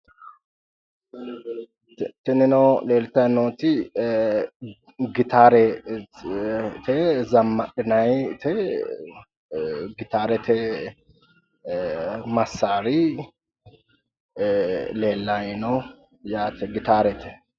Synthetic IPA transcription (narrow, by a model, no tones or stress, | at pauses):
t̪ɛnɛnɐwleːlt̪ɐnoːt̪ɪ | ɡɪt̪aːɾɛ | t̪ɛzɐmːɐɗɪnɐjt̪ʰɛ | ɡɪt̪aːɾɛt̪ɛ | mɐsːaːɾɪ | leːlːajnɐw | jaːt̪ɛɡɪt̪aːɾɛt̪ʰɛ̥